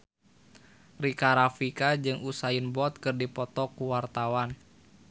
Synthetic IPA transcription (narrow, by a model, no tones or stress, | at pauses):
rikaɾafikad͡ʒɨŋusainbɔt̪̚kɨrdipɔt̪ɔkuwart̪awan